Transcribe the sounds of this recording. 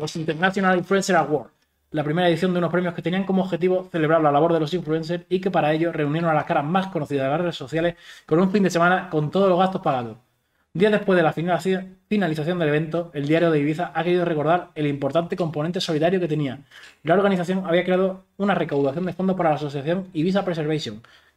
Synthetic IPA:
losint̪eɾnaθjonaliɱfluenseɾaɣwoɾ | lapɾime̞ɾae̞ðiθjond̪euno̞pɾemjo̞hket̪e̞niaŋko̞moːɣxe̞t̪̬iβo̞θe̞le̞β̞ɾaɾlalaβo̞ɾðelo̞s̬iɱflunse̞ɾike̞paɾae̞ʎo̞re̞unje̞ɾonalakaɾamasko̞noθiðaðelareeso̞θjale̞sko̞nuɱfind̪e̞se̞mãnako̞nt̪oðloɣast̪o̞hpaɣaðo̞ | d̪iaðe̞hpwe̞zðe̞la | finaliθaθjo̞nd̪eeβẽ̞nt̪o̞e̞ld̪jaɾjo̞ðeiβiθaʔake̞ɾiðo̞re̞ko̞ɾðaɾe̞limpo̞ɾt̪ant̪e̞ko̞mpoẽnt̪e̞so̞liðaɾjo̞ke̞t̪e̞nialaoɾɣaniθaθjo̞ŋaβiakɾe̞að̞o | unare̞kawðaθjo̞nd̪e̞fo̞nd̪opaɾalaːsoθjaθjo̞ŋiβis̬apɾese̞ɾβesjo̞ŋ

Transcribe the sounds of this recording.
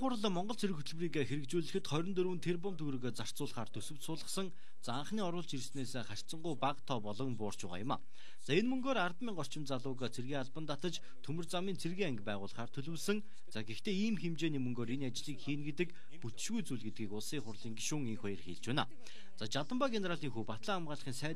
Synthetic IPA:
χʊɾə̆ɮə̆mɔɴɢɞ̆ɮt͡sʰeɾɘ̆kxɵt̪ʰɵ̆ɮwriːkaxeɾɘ̆kt͡ɕuːɮɘ̆xɘ̆t̪χœɾɞ̆nt̪ɵɾŭːɘ̆nt̪ʰerp̬ɔmt̪ʰɵɣɾɵ̆ɣeːt͡sar̥t͡sʊːɮχaːrt̪ʰɵsɵ̆w̥t̪sʊːɮə̆χsə̆ŋ | t͡saaɴχniːɔɾʊːɮt͡ɕirsneːseːχar̥ʲt͡sə̆ɴɢujpaqt̪ʰɔːpɔɮɞ̆ŋpʊːr̥t͡ɕpæːʁa̰jʊ̆ma̰ | t͡saenmɵŋɡoːɾart̪miːŋɢɔr̥t͡ɕɪ̆mt͡saɮʊːɣat͡sʰerɣiːaɮpə̆nt̪at̪ə̆t͡ɕ | t̪ʰɵmɘ̆rt͡samiːnt͡sʰerɣiːaŋɡʲpæːʁʊːɮχaːrt̪ʰɵɮɵ̆wɮsə̆ŋ | t͡saɡext̪ʰeːiːmxemt͡ɕeːniːmɵŋɡoːɾenat͡ɕɮiːkxiːnɡet̪ɘ̆k | put̪ɘ̥̆ʃɣujt͡sujɮɣɘ̆t̪̚ɡiːkʊɮsiːχʊrɮiːŋɡiʃʊːŋeŋxɔjə̆rxiːɮt͡ɕwæːna̰ː | t͡sat͡ɕat̪ə̆mpaɡeneɾaɮiːŋxuːpat̪ɮaːmʁaːɮə̆χiːnsæː

